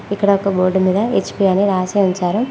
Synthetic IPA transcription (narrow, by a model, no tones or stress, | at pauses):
ikːɐɽɐɔkɐboːɾɖumiːd̪ɐet͡ʃpiɐniɾaːseunt͡ʃaːɾɐm